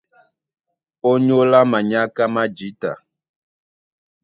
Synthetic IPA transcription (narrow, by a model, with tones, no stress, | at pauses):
o˦ɲo˦la˦ma˨ɲa˦ka˦ma˦d͡ʒi˨˦ta̰˨